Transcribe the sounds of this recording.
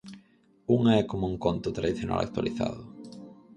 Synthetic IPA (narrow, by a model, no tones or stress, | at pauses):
uŋaɛkomouŋkont̪ʊt̪ɾaðiθjona̰lʔa̰k̚t̪wa̰liθa̰ðʊ